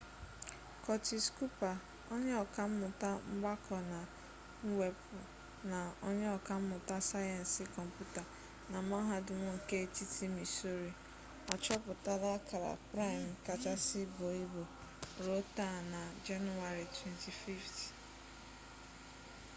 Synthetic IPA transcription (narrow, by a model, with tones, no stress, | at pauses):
kɔ˨t͡ʃi˨sku˦pa˨ | ɔ˦ɲe˦ɔ˨ka˦m̩˦mʊ˨ta˦m̩˦ɡ͡ba˦kʰɔ˨na˨˦ | we˨pʊ˨ | na˨ɔ˦ɲe˦ɔ˨ka˦m̩˦mʊ˨ta˦sa˦jɛ˨n̩˨si˨kɔ˨m̩˨pu˦ta˨ | na˨m˦a˦ɦa˦dʊ˨ŋʷʊ˦˨ke˦˨ti˦ti˦mi˨so˦ɾi˨ | ɔ˨t͡ʃɔ˦pʊ˨ta˦da˦ka˨ɾa̰˨pɾa˦i˨m̩˨ka˨t͡ʃa˦sɪ˦bo˨i˦bo˨ | ɾo˦ta˦˨na˨d͡ʒa˦nu˨a˨ɾi˨twɛ˦nti˨fi˦ft